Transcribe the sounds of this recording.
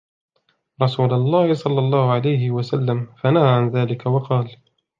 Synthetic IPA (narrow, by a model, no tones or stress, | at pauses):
ɾˤɑsuːlalˤːɑːhɪsˤɑlːɑlˤːɑːhʊʕalajɦɪwasalːamfanahaːʕanðaːlɪkawɑqɑːl